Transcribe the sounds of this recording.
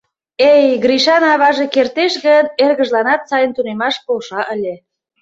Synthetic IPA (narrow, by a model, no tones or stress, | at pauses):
ejɣɾiʃɑnɑβɑʒekert̪eʃɣənerɣəʒlɑnɑt̪sɑjənt̪unemɑʃpolʃɑʔəlʲe